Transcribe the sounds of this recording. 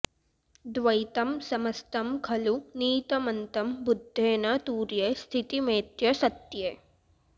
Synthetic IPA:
d̪ʋɐit̪ɐmsɐmɐst̪ɐmkʰɐluniːt̪ɐmɐnt̪ɐmbʊd̪ʱːeːnɐt̪uːɾjest̪ʰit̪imẽːt̪jɐsɐt̪je

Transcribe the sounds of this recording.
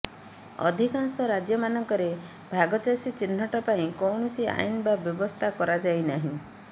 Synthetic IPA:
ɔ̰d̪ʱikaŋsɔɾad͡ʒjɔmanɔŋkɔɾe | bʱaɡɔt͡ʃasit͡ʃin̤ːɔʈɔpaĩkɔwɳɔsia̰jnbabjɔbɔst̪ʰakɔɾad͡ʒajnaɦĩ

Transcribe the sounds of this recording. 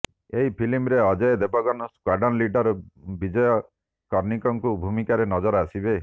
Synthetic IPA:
eɦipʰilimɾeɔd͡ʒɔjed̪ebɔɡɔnɔskwaɖɔnliɖɔɾbid͡ʒɔjɔ | kɔɾnikɔŋkubʱumikaɾenɔd͡ʒɔɾɔasibe

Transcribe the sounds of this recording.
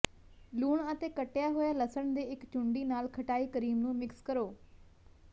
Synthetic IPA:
luːɳət̪eːkəʈjaːɦoːjaːləsəɳd̪eːɪkt͡ʃʊɳɖiːnaːlkʰəʈaːiːkəɾiːmnũːmɪkskəɾoː

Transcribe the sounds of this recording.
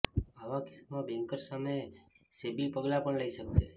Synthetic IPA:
aʋakɪ̥smãbɛ̃ŋkəɾsame | sebipəɡlapəɳləiʃəkʃe

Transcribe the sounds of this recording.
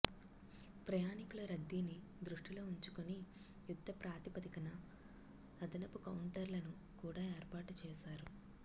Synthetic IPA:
pɾɐjaːnikulɐɾɐd̪ːini | d̪ɾuʂʈilo̞ːuɲt͡ʃukoni | jud̪ʱːɐpɾaːt̪ipɐd̪ikɐnɐː | d̪ɐnɐpukɐwuɳʈɐɾlɐnu | kuːɽaːeːɾpaːʈut͡ʃɛːʃaːɾu

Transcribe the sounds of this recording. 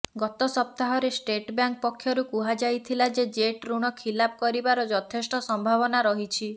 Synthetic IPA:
ɡɔt̪ɔsɔp̚t̪aɦɔɾesʈeʈbjaŋk̚pɔkʰːjɔɾukuɦad͡ʒajt̪ʰilad͡ʒed͡ʒeʈɾuɽ̃ɔkʰilapɔkɔɾibaɾɔd͡ʒɔt̪ʰesʈɔsɔmbʱaβɔnaɾɔɦit͡ʃʰi

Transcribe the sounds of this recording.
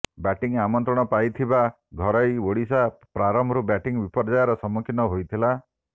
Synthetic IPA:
baʈiŋamɔnt̪ɾɔɽ̃ɔpajt̪ʰiba | ɡʱɔɾɔjoɽisapɾaɾɔmʱɔɾubaʈiŋbipɔɾd͡ʒajɔɾɔsɔmukʰinɔɦojt̪ʰila

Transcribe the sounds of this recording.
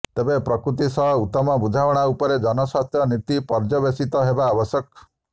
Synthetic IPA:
t̪ebepɾɔkɾut̪̬isɔɦɔut̪ːɔmɔbud͡ʒʱawɔɽ̃aupɔɾed͡ʒɔnɔsast̪ʰjɔnit̪ipɔɾd͡ʒɔbesit̪ɔɦebaːbɔsjɔk̚

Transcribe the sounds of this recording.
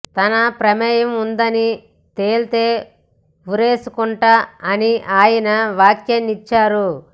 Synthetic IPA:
t̪ɐnɐpɾɐmɛːjɐmund̪ɐni | t̪eːlt̪e̞ː | uɾe̞ːsukuɳʈaɐniʔaːjɐnɐʋaːkjɐnit͡ʃːaːɾu

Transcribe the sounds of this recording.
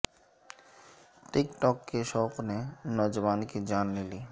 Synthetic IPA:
ʈikʈɔkːeʃɔknenɔd͡ʒʋankid͡ʒanːili

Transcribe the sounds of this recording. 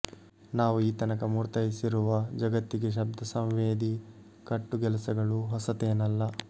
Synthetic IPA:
naːʋuiːt̪ɐnɐkɐmuːɾt̪ɐjisiɾuʋɐd͡ʒɐɡɐt̪ːiɡeʃ̬ɐb̚d̪ʱɐsɐ̃mʋeːd̪i | kɐʈːuɡɛlɐsɐɡɐɭuɦɔsɐt̪eːnɐlːɐ

